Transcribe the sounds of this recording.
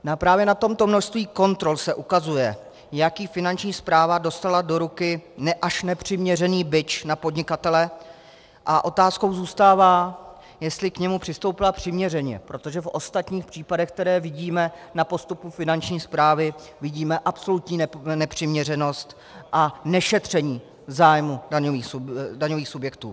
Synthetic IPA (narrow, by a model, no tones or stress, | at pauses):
napɾaːvjɛnat̪o̞mt̪o̞mno̞ʃst̪viːko̞nt̪ɾo̞lsɛʔukazujɛ | jakiːfɪnant͡ʃɲiːspɾaːvado̞st̪alado̞ɾukɪnɛʔaʃnɛpr̥ɪmɲɛrɛniːbɪt͡ʃnapo̞dɲɪkat̪ɛlɛ | ʔaʔo̞t̪aːsko̞wzuːst̪aːvaː | jɛst̪lɪkɲɛmupr̝̥ɪst̪o̞wpɪlapr̝̥ɪmɲɛrɛɲɛ̰pɾo̞t̪o̞ʒɛfʔo̞st̪at̪ɲiːxpr̝̥iːpadɛxk̚t̪ɛɾɛːvɪɟiːmɛnapo̞st̪upufɪnant͡ʃɲiːspɾaːvɪ | vɪɟiːmɛʔapso̞lut̪ɲiːnɛpr̝̥ɪmɲɛr̝ɛno̞st̪ | ʔanɛʃɛt̪r̝̥ɛɲiː | zaːjmudaɲoviːxsdaɲo̞viːxsubjɛkt̪ṵː